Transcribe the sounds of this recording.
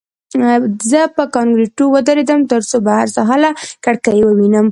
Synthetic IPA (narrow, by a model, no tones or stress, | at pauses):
zəpəkɑŋɡɾeʈuwəd̪aɾed̪əmt̪əɾsobahaɾsaɦalakaɽkajewəwinəm